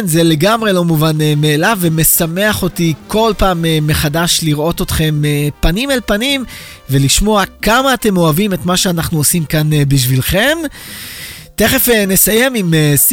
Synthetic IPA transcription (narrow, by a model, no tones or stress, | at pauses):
nzele̞ɡamʁe̞lo̞muvanemeːlaveme̞same̞aχo̞tikʰo̞lpaːmemːe̞χadaʃliʁʔo̞to̞tχe̞mepanimalpanim | ve̞liʃmo̞akamaːte̞mo̞avime̞tmaʃeanaχnuosimkanbiʃ̬vilχe̞m | te̞χefenesajemimes